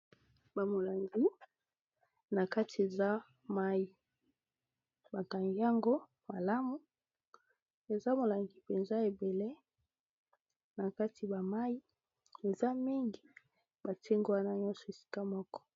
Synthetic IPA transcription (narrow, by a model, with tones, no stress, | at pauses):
ba˨mo˨la˨ŋɡi˦ | na˨ka˦ti˨e˨za˦ | ma˦ji˨ | ba˨ka˨ŋɡi˦a˦ŋɡo˦ | ma˨la˦mu˦ | e˨za˦mo˨la˨ŋɡi˨pe˨nza˦e˨be˨le˦ | na˨ka˦ti˨ba˨ma˦ji˦ | e˨za˦mi˦ŋɡi˨ | ba˨te˦ŋɡo˦wa˦na˦ɲɔ˦nsɔ˨e˨si̥˦ka˦mɔ˦kɔ̥˦